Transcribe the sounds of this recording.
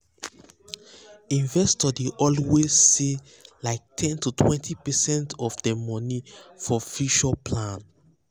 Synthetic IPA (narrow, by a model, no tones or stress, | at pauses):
ĩnvɛstɔdeʔɔlwezːe | laɪk̚tʰɛ̃ntutʰwɛ̃ntʰipɛsɛ̃ntɔfdɛmɔ̃nifɔfiʃɔpʰlãn